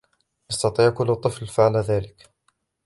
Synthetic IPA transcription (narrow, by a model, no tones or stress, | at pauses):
ʔɑst̪ɑt̪ˤiːʕkʊlːt̪ˤːɨflfaʕlaðaːlɪk